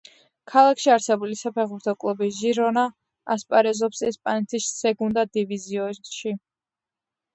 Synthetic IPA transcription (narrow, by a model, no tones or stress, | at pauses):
kʰalˠakʰʃiaɾsɛbulisapʰɛʁuɾt̪ʰɔkʼlˠubiʒiɾɔna | aspʼaɾɛzɔpsɛspʼanɛt̪ʰisːɛɡund̪ad̪iviziɔʃi